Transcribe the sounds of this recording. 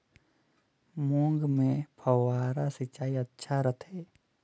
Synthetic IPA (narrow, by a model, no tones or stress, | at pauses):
mõːŋɡmẽpʰəwaːɾasɪt͡ʃaːiətːʃʰaɾət̪ʰeː